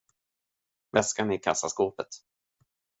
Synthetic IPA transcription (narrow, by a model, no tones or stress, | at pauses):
vɛskanɪkʰasːaskoːpət̪